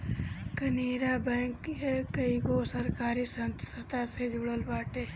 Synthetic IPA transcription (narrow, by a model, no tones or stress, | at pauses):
kəniːɾabɛ̃ːŋkɦekəikosəɾkaːɾisənt̪sət̪ased͡ʒʱʊɽəlbaːʈeː